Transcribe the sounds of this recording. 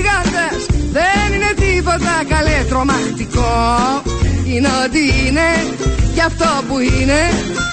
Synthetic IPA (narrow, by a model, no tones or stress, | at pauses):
ɣɐnd̪ɐsðenine̞t̪ipo̞t̪ɐkɐlet̪ɾo̞mɐt̪iko | ineot̪̬iine̞ | cɐft̪o̞puine̞